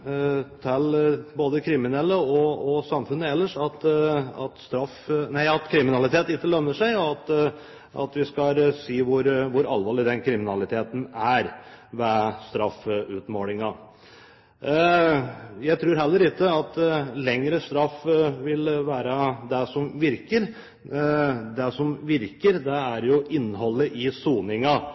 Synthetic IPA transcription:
t̪ʰɛlboːd̪əkʰɾɪmɪnɛlːəɔɔsɑmfʉnːəɛlːəʂɑt̪ɑt̪st̪ɾɑfnæɪɑt̪kʰɾɪmɪnɑlɪt̪ʰeːt̪ɪkːəlœmːəʂæɪɔɑt̪ | ɑ̰t̪ʋɪskɑsiːʋʊɾʋʊɾɑ̰lʋɑːɭɪd̪ɛnkʰɾɪmɪnɑlɪt̪ʰeːt̪n̩æɾʋæst̪ɾɑfːʉt̪moːlɪŋɑ | jæɪt̪ʰɾʉːɾɦɛlːəɾɪkːəɑt̪lɛŋɾəst̪ɾɑfːʋɪlʋæːɾəd̪ɛsɔmʋɪɾkəɾ | d̪ɛsɔmʋɪɾkəɾd̪ɛæɾjʊʔɪnːɦɔlːəʔɪsuːnɪŋɑ

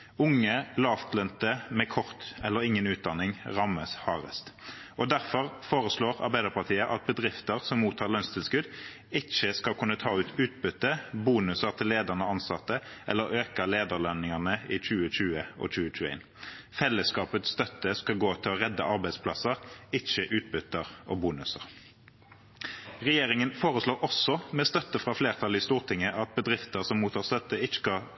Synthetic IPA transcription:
ʊŋːəlɑːft̪lœnt̪əmɛkʰɔʁt̪ɛlːəʁɪŋːənʉːt̪̚d̪ɑnːɪŋʁɑmːəshɑːʁə̰st̪ʔɔd̪æʁfɔʁfoːʁəsloːʁɑ̰ʁbæɪd̪əʁpɑʁt̪ʰiːəʔɑt̪̚bəd̪ʁɪft̪əʁsɔmuːt̪ʰːɑːʁlœnst̪ʰɪlskʉd̪ | ɪt͡ʃːəskɑlkʰʉnːət̪ʰɑːʉːt̪ʰʉːt̪̚bʏt̪ːəbuːnʉsəʁt̪ʰɪlːeːd̪əʁnəɑnsɑt̪ːəʔɛ̰lːəɾøːkəleːd̪əʁlœnːɪŋɑʁnəɪc͡çʉːəc͡çʉːəʔɔ̰c͡çʉːəc͡çʉːæ̰ɪn | fɛlːəskɑːpət̪sst̪œt̪ːəskɑɡoːt̪ʰɪlɔʁɛd̪ːəʔɑʁbæɪspʰlɑsəʁɪt͡ʃːəʔʉːt̪̚bʏt̪əʁobuːnʉsə̰ʁ | ʁɛjeːʁɪŋənfoːʁəsloːɾʔɔsɔmɛst̪œt̪ːəfʁɑːfleːʁt̪ʰɑlɪst̪uːʁt̪ʰɪŋːəʔɑt̪̚bəd̪ʁɪft̪əʁsɔmuːt̪ʰɑːʁst̪œt̪ːəɪt͡ʃːə̥skɑ

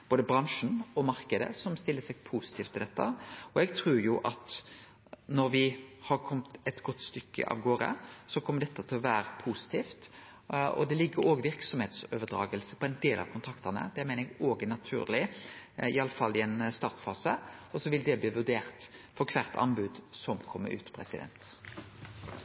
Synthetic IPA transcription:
b̥oːd̪əbɾɑŋʂn̩ɔmɑɾkəd̪ə̰sɔmst̪ɪlːəsɛɡpʰusɪt̪ʰiːft̪ʰɪld̪ɛt̪ːə̰ɔɛɡt̪ʰɾʉːɾjʊʔɑt̪ | nɔɾʋɪhɑɾkʰɔmt̪ɛt̪ɡɔt̪ːst̪ʏkːə̰ʔɑ̰ːʋɡoːɾə̰sɔkʰɔmːəɖ̪ɛt̪ːət̪ʰɪlɔʋæːɾəpʰusɪ̥t̪ʰiːft̪ | ɔ̰d̪ɛlɪɡːəɾoːɡʋɪɾksɔmheːt̪soːʋəd̪ɾɑ̰ːɡəlsəpʰɔɛnd̪eːlʔɑ̰ʋkʰʊnt̪ʰɾɑkt̪ɑnə̰d̪ɛæmeɪnəɛɡoːɡənɑt̪ʰʉ̰ːɾlɪ | ɪɑlːəfɑlːɪɛnst̪ɑːʁt̪fɑːsəɔsɔʋɪld̪ɛbliːʋʉd̪eːʁt̪fɔkʰʋæʁt̪ʰɑ̰nbʉd̪sɔmkʰɔmːə̰ʉ̰ːt̪pʰɾɛsɪd̪ɛ̰nt̪

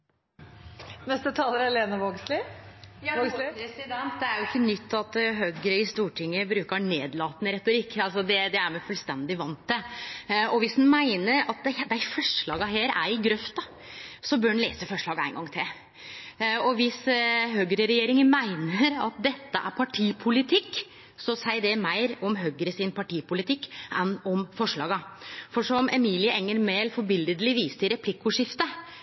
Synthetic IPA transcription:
nɛst̪ət̪ʰɑːləɾæɾleːnəʋoɡslɪjɑoɡsɾɛsɪd̪ɛnt̪d̪ɛæɾjʊɪkːənʏt̪ʰːɑt̪ɦøːɡəɾəɪst̪uːʈʰɪŋːəbɾʉːkəneːd̪lɑːt̪nəɾɛt̪ːʊɾɪkːɑlsɔd̪ɛd̪ɛæɾmɛfʉlst̪ɛnd̪ɪʋɑnt̪ːə | ɔʋɪshnmæɪnəɾɑt̪̚d̪ɛd̪æfœʂɭɑːɡəɦeːɾæ̰ɾɪɡɾœft̪ɑ | sɔbøːnɳlḛːsəfɔʂɭɑːɡæ̰ɪnɡɑŋːt̪ʰɪl | ɔʋɪsɦøːɡəɾəɾɛjeːɾɪŋənmæɪnəɾɑ̰t̪̚d̪ɛt̪ːəʔæ̰ɾpʰɑʈʰiːpʰʊlɪt̪ʰɪkː | sɔsæɪɖɛmæɪɾɔmɦøːɡəɾəsɪnpʰɑʈiːpʊlɪt̪ʰɪkːʔɛnɔmfɔʂɭɑ̰ːɡəfɔʂɔmɛmiːlɪəɛŋːəɾmeːlfɔɾbɪld̪əd̪əlɪʋiːst̪əɾɛpʰlɪkːʊʂɪft̪ə

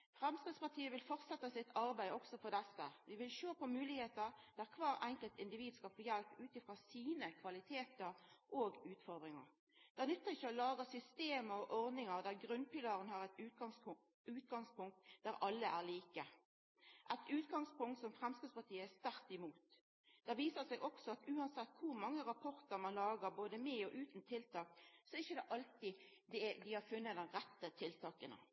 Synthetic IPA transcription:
fʁɛmskɪd̪spɑʁt̪ʰiːəʋɪlfɔʁt̪sɛt̪ːəsɪt̪ɑɾbæɪɔksɔfɔʁd̪ɛsːəʋɪʋɪlʃoːpɔmʉːlɪheːt̪əʁd̪̥æʁkʰʋɑːɾɛŋkəlt̪ɪnd̪ɪʋiːd̪skɑlfoːjɛlpʉːt̪ɪfʁoːsiːnəkʰʋɑlɪt̪ʰeːt̪əɾʔoɡʉːt̪fɔʁd̪ʁɪŋɑ̰ʁ | d̪̥ænʉt̪ːəʁɪçːəɔlɑːɡəsʏst̪eːməɔʔɔɾd̪nɪŋəʁd̪æʁɡɾʉnpɪlɑːɾənhɑʁɛt̪ː | ʉːt̪̚ɡɑŋspʊŋk̚t̪d̪æɾʔɑlːəʔæʁliːkə | ʔæt̪ʉːt̪ɡɑŋspʊŋkt̪sɔmfʁɛmskʉːspɑʁt̪ʰiːəæst̪æɾt̪ɪmuːt̪ | d̪̥ɛʋiːsəsɛɡʔɔksɔɑt̪ʉːɑnsɛt̪ːkʰʊɾmɑŋːəʁɑpʰɔʁt̪əɾmɑnlɑːɡəɾboːd̪əmɛːɔʔʉːt̪n̩t̪ʰɪlt̪ʰɑːksɔɛɪçːəd̪ɛʔɑlt̪ɪ | d̪ɛd̪ɪhɑɾfʉnːəd̪ɛnʁɛt̪ːət̪ʰɪlt̪ʰɑːkənə̰

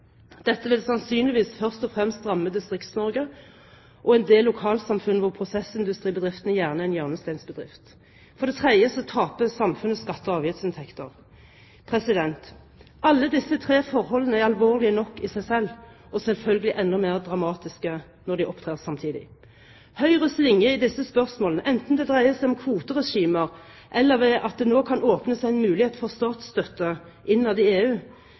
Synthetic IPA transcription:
d̪̥ɛt̪ːəʋɪlsɑnsyːnlɪʋiːsfœʁst̪ɔfʁɛmst̪ʁɑmːəd̪ɪst̪ʁɪkt̪snɔʁɡə | ʔɔɛnd̪eːlːʊkʰɑːlsɑmfʉnːəʋʊʁpʰʁʊsɛsɪnd̪ʉst̪ʁiːbəd̪ʁɪft̪ənəjæːʁnəɛɪnjœːʁnəst̪æɪnsbəd̪ʁɪ̰ft̪ | fɔʁd̪ɛt̪ʰʁɛd̪jəsɔt̪ʰɑːpəsɑmfʉnəskɑt̪ːɔɑːʋjɪt̪sɪnt̪ʰɛkt̪ə̰ʁ | pʰʁɛsɪd̪ɛnt̪ | ɑlːəd̪ɪsːət̪ʰʁeːfɔʁhɔlːənəæʁɑlʋoːʁlɪənɔkːɪsæɪsɛlː | ɔsɛlfœlɡəlɪʔɛnːɔmeːʁd̪ʁɑmɑːt̪ɪskə | nɔʁd̪ɪʔɔpt̪ʰʁeːʁsɑmt̪ʰiːd̪ɪ̰ | hœʏʁəslɪŋjəɪd̪ɪsːəspœʁsmoːlnəʔɛnt̪n̩d̪ɛd̪ʁæɪəsæɪɔmkʰʋuːt̪əʁɛʂiːməʁ | ʔɛlːəʁʋɛʔɑt̪̚d̪ɛnoːkʰɑnoːpnəsæɪɛnmʉːlɪheːt̪fɔʁst̪ɑːt̪sst̪œt̪ːə | ʔɪnːɑd̪ɪeːʉː

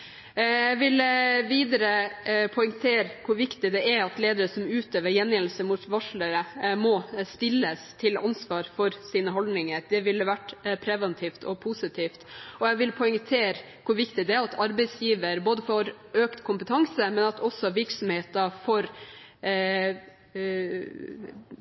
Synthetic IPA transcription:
jæʋɪlʋiːd̪əɾəpʰɔɪŋt̪ʰeːɾkʰʊɾʋɪkt̪ɪd̪ɛɛɾɑt̪leːd̪əɾəsɔmʉːt̪øːʋəɾjɛnjɛnlsəmut̪ʋɑʂɭəɾəmɔst̪ɪlːəst̪ʰɪlɑnsʋɑːɾfɔɾsiːnəɦɔld̪nɪŋəɾd̪ɛʋɪlːəʋæʈːpʰɾɛʋɛnt̪ʰiːft̪ʰɔpʰuːsɪt̪ʰiːft̪ɔjæʋɪlpʰɔɪŋt̪ʰeːɾ | kʰʊɾʋɪkt̪ɪd̪ɛæɾɑt̪ʰɑɾbɛɪsjiːʋəɾboːd̪əfɔɾ | øːkt̪kʰʊmpət̪ʰɑŋsəmɛnɑt̪ʰɔsɔʋɪɾksɔmheːt̪əfɔɾ

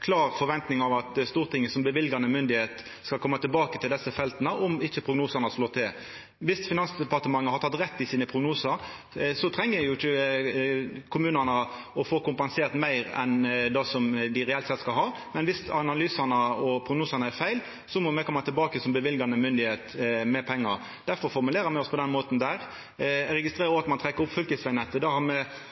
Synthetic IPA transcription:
kʰlɑːʁfɔɾʋɛnt̪nɪŋɑʋɑt̪st̪uːɾt̪ʰɪŋːəsɔmbəʋɪlɡɑnəmʏnd̪ɪheːt̪ | skɑlkʰɔmːɑt̪ʰɪlbɑːkət̪ʰɪld̪ɛsːəfɛlt̪ənəʔɔmɪçːəpʰʁʊɡnuːsɑnəsloːt̪ʰɪl | ʋɪsfɪnɑnsd̪ɛpɑt̪əmɑŋːəhɑɾt̪ʰɑt̪ːɾɛt̪ːɪsiːnəpʰʁʊɡnuːsəɾ | sɔt̪ʰɾɛŋːəæjʊɪçːə | kʰʊmʉːnənə | ɔfoːkʊmpɑnseːʁt̪mæɪɾɛ̰nd̪ɑsɔmd̪ɪɾɛɛlt̪sɛt̪ːskɑlɦɑː | mɛnʋɪsɑnɑlyːsɑnəɔpʰɾʊɡnuːsɑnəæɾfæɪl | sɔmɔmɛkʰɔmːɑt̪ʰɪlbɑːkəsɔmbəʋɪlɡɑnəmʏnd̪ɪheːt̪mɛpʰɛŋːɑɾ | d̪̥æɾfɔɾfɔɾmʉleːɾəmɛɪɔspʰɔd̪ɛnmoːt̪n̩d̪æɾ | ɾɛɡɪst̪ɾeːɾɔʋɑt̪mɑnt̪ʰɾɛkːəɾʊpːfʏlkəsʋæɪnɛt̪ːəd̪ɑhɑɾmɛ

